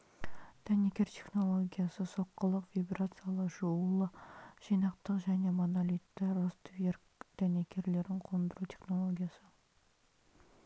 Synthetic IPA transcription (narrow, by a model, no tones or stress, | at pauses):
d̪̥ænekʲe̞ɾt̪ʲʰe̞χno̞lˠo̞ɡʲijasəso̞qːəlˠəqvʲibrat̪sɨjalˠəʒuwlˠəʒ̥ijnɑqt̪əqʒæne̞monalʲit̪ːɪrost̪vʲerkd̪̥ænekʲʰe̞ɾle̞ɾd̪ɪŋqʰo̞nd̪əɾut̪ʲʰe̞χno̞lˠoɡʲijasə